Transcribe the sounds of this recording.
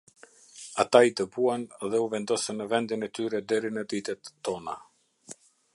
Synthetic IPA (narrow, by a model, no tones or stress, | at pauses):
at̪ait̪əbuanðɛuvɛnd̪ɔsənːəvɛnd̪inɛt̪yɾɛd̪ɛɾinəd̪it̪ɛt̪ːɔna